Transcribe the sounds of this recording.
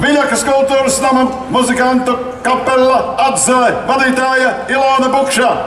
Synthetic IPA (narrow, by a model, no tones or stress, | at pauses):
vilakɐskulˠt̪uːɾɐsnamant̪muzikant̪ɐ | kapːelˠːɐad̪zavad̪iːt̪aːjɐ | ilˠoːnɐbukʃaː